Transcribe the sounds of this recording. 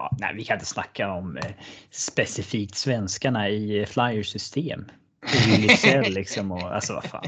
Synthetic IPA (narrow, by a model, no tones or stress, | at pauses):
ɑ̰ːnæ̰ɪvɪkʰannt̪ə̥sna̰kʰːaɔm | spɛsɪfiːk̚t̪svɛnskaɳaɪflajəʂʏst̪ʰeːm | ɪɪlɪsɛlːɪksɔmɔa̰lsɔva̰fa̰ːn